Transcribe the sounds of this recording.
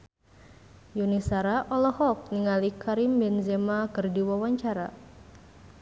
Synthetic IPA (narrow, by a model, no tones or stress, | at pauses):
junisaɾaʔɔlɔhɔk̚niŋalikʰaɾimbɛnzemakɨrdiwawaɲt͡ʃaɾa